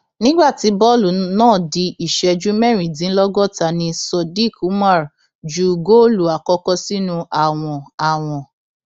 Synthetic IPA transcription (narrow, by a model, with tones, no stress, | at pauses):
nĩ˦ɡ͡ba˦˨ti˧˦bɔ˦˨lu˨nãː˦˨di˧ʔi˨ʃɛ˧d͡ʒu˦mɛ˦˨ɾ̃ĩ˨dĩ˨˦n̩˦lɔ˦ɡɔ˦˨ta˧nĩ˧sɔ˧di˦˨ku˨˦ma˦˨ɾ | d͡ʒu˦ɡo˦˨lu˨a˨kɔ˧kɔ˦si˦nũ˦ʔa˨w̃ɔ̃˧a˨w̃ɔ̃˨